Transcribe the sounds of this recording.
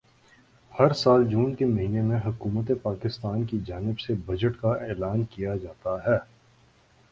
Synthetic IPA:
hɐɾsaːld͡ʒuːnkemɐɦiːnemẽɦɐkuːmət̪̬epaːkɪst̪aːnkid͡ʒaːnɪbsebɐd͡ʒəʈkaeːlaːnkijad͡ʒaːt̪aɦɛː

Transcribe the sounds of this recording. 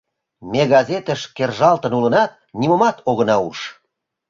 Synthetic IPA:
meɣɑzet̪əʃkerʒɑlt̪ə̆nulənɑt̪̚nimomɑt̪oɣə̆nɑuʃ

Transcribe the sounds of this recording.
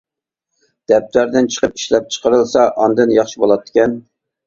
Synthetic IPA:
d̪̥ɛp̚t̪læɾd̪ɪnt͡ʃʰə̥qəp̚i̥ʃlɛp̚t͡ʃʰə̥qʰəɾɨlˠsɑʔɑnd̪ɨnjɑχʃibolˠɑt̪ʰːɪ̥kʲɛn

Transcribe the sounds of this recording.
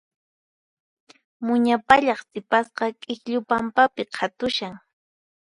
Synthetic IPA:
mʊɲapaʎɑχsɪpasqɑkʼɪkʎʊpampapɪqʰat̪ʊʃaŋ

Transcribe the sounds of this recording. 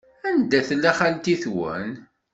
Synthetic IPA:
ænd̪æθlːæχælt̪iθwə̰n

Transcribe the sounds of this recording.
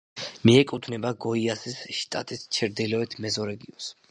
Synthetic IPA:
miɛkʼut̪ʰnɛbaɡɔiasisʃt̪ʼa̰t̪ʼist͡ʃʰɛɾd̪ilɔɛt̪ʰmɛzɔɾɛɡiɔns

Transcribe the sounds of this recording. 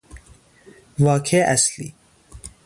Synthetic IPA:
vɑːkʰeʔæslḭː

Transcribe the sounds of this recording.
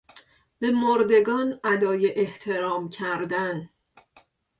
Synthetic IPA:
b̥e̞moɾd̪e̞ɡɒːnæd̪ɒːjeʔeht̪ʰe̞ɾɒːmcʰæɾd̪æn

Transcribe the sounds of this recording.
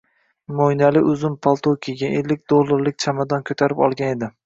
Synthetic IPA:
mojnalɪʔʊzʊmpʰalˠt̪ʰokʲijɡʲaʔelːɪk̚ʲd̪olˠːaɾlɪk̚ʲt͡ʃʰamad̪ɒnkʰɵt̪ʰaɾɪpɒ̰lˠɡʲane̞d̪ɪ

